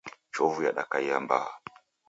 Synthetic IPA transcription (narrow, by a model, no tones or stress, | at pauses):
t͡ʃɔvujaɗakaiamba̰a